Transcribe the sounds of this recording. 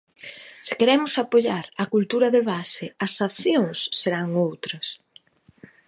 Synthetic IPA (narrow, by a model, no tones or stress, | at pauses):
sɪkeɾɛmʊsapoʎaɾɐkult̪uɾɐðeβasɪɐsaθjoŋsːeɾaŋowt̪ɾɐs